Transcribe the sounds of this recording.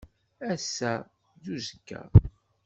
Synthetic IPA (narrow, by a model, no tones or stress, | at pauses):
æsːæ | ðuzəkːæ̰